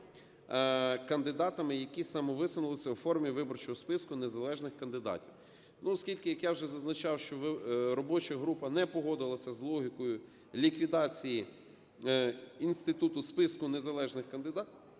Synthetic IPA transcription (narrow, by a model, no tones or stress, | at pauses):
kɐnd̪ɪd̪ɑt̪ɐmɪjɐkʲisɐmɔʋɪsʊnʊlˠɪsʲɐwfɔrmʲiʋɪbɔrt͡ʃɔɦɔspɪskʊnezɐlˠɛʒnɪxkɐnd̪ɪd̪ɑ̰tʲiw | nuɔskʲilʲkɪjɐkjawʒɛzɐznɐt͡ʃɑwʃt͡ʃɔʋɾɔbɔt͡ʃɐɦɾupɐnɛpɔɦɔd̪ɪlˠɐsʲɐzlˠɔɦʲɪkɔjʊ | lʲikʋʲid̪ɑt͡sʲiji | inst̪ɪt̪ut̪ʊspɪskʊnezɐlˠɛʒnɪxkɐnd̪ɪd̪ɑ